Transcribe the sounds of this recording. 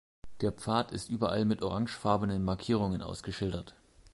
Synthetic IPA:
d̥eːɐp͡faːtʰɪstʔyːbɐʔa̰lmɪtʔoʁaŋʃfaɐbənənmaɐkʰiːʁ̞ʊŋənʔa̰ʊsɡ̥əʃɪldɐt

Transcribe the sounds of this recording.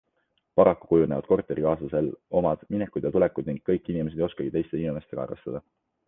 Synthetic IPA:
pɑɾɑkːu̥kujune̞vɑd̪̥̚ko̞rt̪ːˑe̞ɾikɑːsɑse̞lʔo̞mɑd̪̥minekːˑud̪̥jɑt̪ulekːˑud̪̥niŋɡ̥̚kːɤjkːˑinimeeejo̞skɑɡit̪ejst̪e̞inime̞st̪e̞kɑɑ̰ɾḛst̪ɑd̪̥ɑ

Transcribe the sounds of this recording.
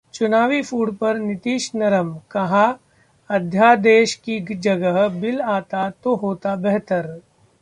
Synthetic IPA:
t͡ʃʊnaːʋifʰuːɽpɐɾnɪt̪iːʃnɐɾəmkɐɦã | ɐd̪ʱjaːd̪eːʃkid͡ʒɐɡəɦbɪlaːt̪at̪oɦoːt̪abɛɦt̪əɾ

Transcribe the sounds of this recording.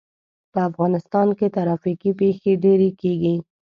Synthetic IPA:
pəafɣɑnɪst̪ɑnket̪aɾɑfikipexeɖeɾekeɡi

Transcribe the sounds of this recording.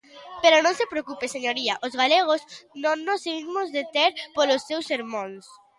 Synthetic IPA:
peɾonõnsepɾeokupeseɲoɾiaʔozɣaleɣ̞oznõnːoseɣimozðet̪eɾpolosːewsːeɾmõns

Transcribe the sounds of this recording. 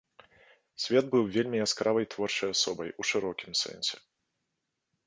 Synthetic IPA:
sʲvʲɛd̪̚bɨwvʲelʲmʲiaskɾavɐjt̪vɔrt͡ʂɐjasɔbɐjuʂɨɾɔkʲimsɛ̰nʲsʲɛ̰

